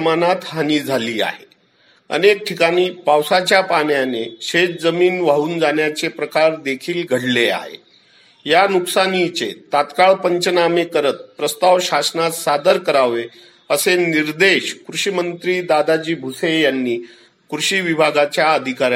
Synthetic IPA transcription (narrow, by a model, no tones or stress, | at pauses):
manat̪ɦaniːd͡zʱaliːa̰ɦe | ə̰nek̚ʈʰikaɽ̃iːpawsat͡ɕjapaɳjaneɕet̪d͡zəmiːnʋaɦuːnd͡zaɳjat͡sepɾəkaɾd̪ekʰiːlɡʱəɽlea̰ɦḛ | januksanit͡sḛt̪at̪kaɭpəɲt͡ɕənamekəɾət̪̚pɾəst̪aʋɕasnat̪sad̪əɾkəɾaʋe | əseniɾd̪eɕkɾuɕimənt̪ɾiːd̪ad̪ad͡ʑiːbʱusejanːiː | kɾuɕiːʋibʱaɡat͡ɕjaəd̪ʱikaɾj